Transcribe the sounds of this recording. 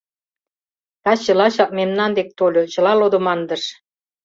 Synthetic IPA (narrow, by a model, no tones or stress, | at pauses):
t̪ɑt͡ɕə̆lɑɕɑk̚memnɑnd̪ek̚t̪olʲot͡ɕɤ̆lɑlod̪ŏmɑnd̪ə̆ʃ